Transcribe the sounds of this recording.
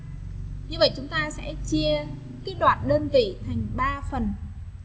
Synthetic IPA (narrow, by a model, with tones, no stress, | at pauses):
ɲɨ˧və̰˧˨jt͡ɕʊ˨˦ŋ͡mt̪aː˧sɛ̰˧˥t͡ɕi˧ə | kiː˨˦˥t̚ɗwaː˨˩t̚ɗəː˧nvḭ˧˩˨t̪ʰa˨˩jŋ̟ɓaː˧fə˨˩n